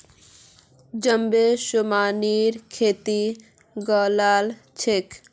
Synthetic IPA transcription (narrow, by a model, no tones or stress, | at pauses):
d͡ʑəmbeʃomaniɾkʰet̪i | ɡɔlal | t͡ɕʰek